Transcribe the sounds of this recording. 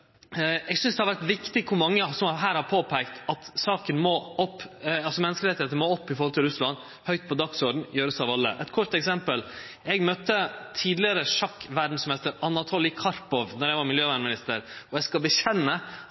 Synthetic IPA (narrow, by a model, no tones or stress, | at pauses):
ɛɡsʏnsd̪ɛhɑɾʋæɾʈ̪ʋɪkt̪ɪkʰʊɾmɑŋːəsɔmɦæːɾhɑɾpʰoːpʰæɪkt̪ɑt̪sɑːkənmɔɔpːɑlsɔmɛnːəskəɾɛt̪ɪheːt̪ənmoːɔpːɪfɔɾhɔlt̪ʰɪlɾʉslɑn | hœʏt̪̚pʰɔd̪ɑksɔɾɖɳ̩jøːɾəsɑʋɑlːə̰ʔɛt̪kʰɔɾʈ̪ɛksɛmpəl | ɛɡmœt̪ːət̪ʰiːd̪lɪəɾəʂɑkːʋæɖɳ̩smɪmɛst̪əɾɑnɑt̪ʰoːlɪkʰɑɾpɔʋnɔɾjæɪʋɑɾmɪljøːʋæɳ̩mɪnɪst̪əɾɔɛskɑlbəɕɛnːə